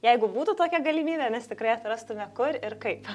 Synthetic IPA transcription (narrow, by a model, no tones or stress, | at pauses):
jɛɪɡʊbuːt̪ʊt̪oːkʲɛɡɐlʲimʲiːbʲɛnʲɛst̪ʲɪkɾɐɪɐt̪rɐst̪ʊmʲɛkʊɾʲɪrkɐɪp